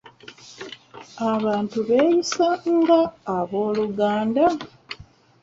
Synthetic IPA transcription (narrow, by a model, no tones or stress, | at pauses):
aβaːntuβeːjisaŋɡaːβo̞ːluɡaːnda